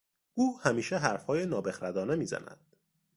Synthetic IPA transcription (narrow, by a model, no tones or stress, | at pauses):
ʔuːhæmiːʃeɦæɾfhɒːjenɒːbe̞xɾæd̪ɒːnemiːzæ̰næ̰d̪̥